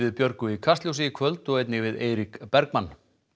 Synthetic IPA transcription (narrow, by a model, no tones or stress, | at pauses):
vɪðpjœɾkʏikʰast̪ljowsijɪkʰvœlt̪ɔɣejt̪nɪɣvɪðeːjɾikpɛɾkmanː